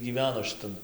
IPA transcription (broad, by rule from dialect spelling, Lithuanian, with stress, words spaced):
ɡʲiːˈʋʲæːnoː ʃʲɪˈtɐn